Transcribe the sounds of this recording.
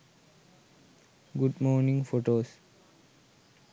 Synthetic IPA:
ɡuɖmoːɾnĩŋfoʈoːs

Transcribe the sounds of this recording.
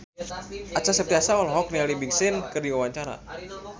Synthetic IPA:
ʔat͡ʃasərt̪iasawalɔɦɔk̚nialibiŋsɪnkərdiwawaɲt͡ʃaɾa̰

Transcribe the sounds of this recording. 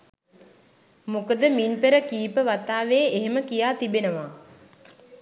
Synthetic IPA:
mukəd̪əminpeɾəkiːpəʋat̪aːʋeːeɦeməkijaːt̪ibenəʋa

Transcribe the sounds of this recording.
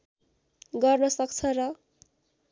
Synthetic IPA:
ɡʌrnʌsʌk̚t͡sʰʌrʌ

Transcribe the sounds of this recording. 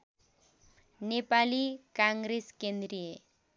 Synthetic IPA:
nepalikaŋɡɾeskend̪rije

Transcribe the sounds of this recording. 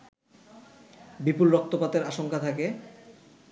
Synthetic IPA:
bipulɾɔk̚t̪opat̪eɾaʃoŋkat̪ʰake

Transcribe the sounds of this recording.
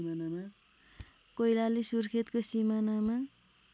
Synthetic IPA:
manama | kʌjlalisurkʰet̪kosimanama

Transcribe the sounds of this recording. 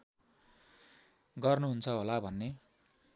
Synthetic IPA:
ɡʌrnuɦunt͡sʰʌɦolabʱʌnːe

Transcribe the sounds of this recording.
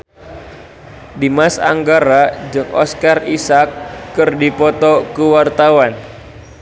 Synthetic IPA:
dimasa̰ŋɡaɾad͡ʒɨŋɔ̰skarisakːɨrdipɔt̪ɔkəwart̪awan

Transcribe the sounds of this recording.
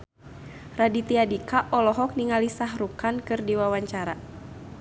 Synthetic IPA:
radit̪iadikaʔɔlɔɦɔk̚niŋalisaɦɾukankɨrdiwawaɲt͡ʃaɾa̰

